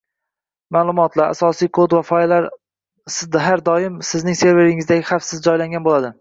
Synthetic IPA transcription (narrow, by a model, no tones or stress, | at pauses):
maːlˠʊmɒt̪ʰlaɾa̰sɒsijkʰod̪vafɒjlaɾ | sɦaɾd̪ɒɪmsɪznɪŋse̞ɾve̞ɾɪŋɪzd̪aɡʲɪχafsɪzd͡ʒɒjlaŋɡʲanbolad̪ɪ